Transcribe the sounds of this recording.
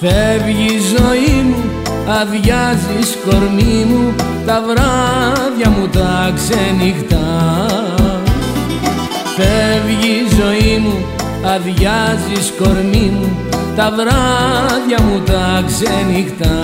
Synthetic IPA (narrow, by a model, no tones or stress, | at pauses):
fevʝizo̞imu | ɐðʝɐzisko̞ɾmimu | t̪ɐvɾɐðʝɐmut̪ɐksenixt̪ɐ | fevʝizo̞imu | ɐðʝɐzisko̞ɾmimu | t̪ɐvɾɐðʝɐmut̪ɐksenixt̪ɐ